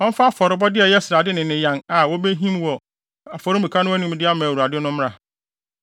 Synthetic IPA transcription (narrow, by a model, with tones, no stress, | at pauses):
ɔ̃˦n̩˦fa˦a˦˨fɔ˨ɾɪ˨˦bɔ˦dɪ˦ɛ˨jɛ˦sɪ˨ɾa˨dɪ˦nɪ̃˨nɪ̃˨jã˨na˨wɔ˦be˦ɦĩ˦mwɔ˨ | a˨fɔ˨ɾʊ̃˦bi˨kʰa˦nʊ̃˦æ˦nĩ˨m˦dɪ˦a˦mã˨wu˨ɾa˨dɪ˦nʊ̃˦m˦a˨